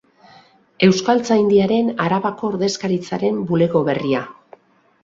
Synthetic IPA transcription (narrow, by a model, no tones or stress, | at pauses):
e̞wskalt͡sajnd̪iaɾe̞naɾaβako̞ːɾðe̞skaɾit͡saɾe̞mbule̞ɣo̞βe̞ria